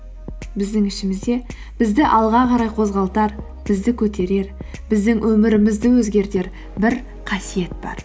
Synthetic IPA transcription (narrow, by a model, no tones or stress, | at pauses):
bɪzd̪ɪŋɪʃɪmɪzd̪e̞ | b̥ɪzd̪ɪʔɑlˠʁɑqʰɑɾɑjqʰo̞zʁɑlˠt̪ɑɾ | b̥ɪzd̪ɪkʲʰɵt̪ʰe̞ɾe̞ɾbɪzd̪ɪŋwʔɵmɪɾɪmɪzd̪ɪwɵzɡʲe̞ɾt̪e̞ɾ | bɪɾ | qʰɑsije̞t̪̚bɑ̰ɾ